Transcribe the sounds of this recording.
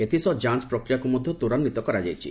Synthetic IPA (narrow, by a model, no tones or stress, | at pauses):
et̪ʰisɔd͡ʒanspɾɔkɾijakumɔd̪ʱjɔt̪uɾɔnːit̪ɔkɔɾad͡ʒajt͡ʃʰḭ